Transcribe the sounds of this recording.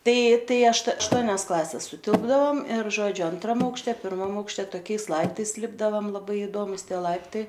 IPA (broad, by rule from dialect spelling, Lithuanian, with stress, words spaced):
ˈtɐɪ ˈtɐɪ ɐʃt ɐʃˈtuɔnʲɛs ˈklˠɑːsʲɛs sʊˈtʲɪlˠbdɐʋoːm ɪr ˈʒoːd͡ʒʲʊ ɐnˈtrɐm ɐʊkʃʲˈtʲɛ pʲɪrˈmɐm ɐʊkʃʲˈtʲɛ toːˈkʲɛɪs ˈlˠɐɪptɐɪs ˈlʲɪbdɐʋɐm lˠɐˈbɐɪ ɪdoːmʊs ˈtʲiɛ ˈlˠɐɪptɐɪ